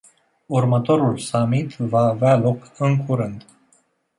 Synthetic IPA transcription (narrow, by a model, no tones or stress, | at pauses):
urmət̪o̞ɾulsamit̪vaːvealo̞kɨŋkʰuɾɨnd̪